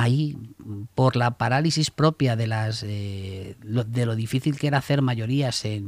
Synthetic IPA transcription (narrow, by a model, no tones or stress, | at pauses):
aipo̞ɾlapaɾalisispɾo̞pjaðe̞lase | oðe̞lo̞ðifiθilkeɾaθe̞ɾmaʝo̞ɾiase̞n